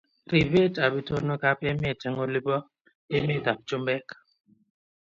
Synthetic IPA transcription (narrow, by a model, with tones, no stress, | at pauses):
ri˨βe˦tʼa˨bi˦tʰʼɔ˦nɔ˦kʼa˦pʼɛ˦mɪ˨tʰɛ˨ŋo˨lɪ˦bɔ˦ | e˦mɪ˦d̪a˨bt͡ʃʼʊ˦mbɛː˦kʼḁ˨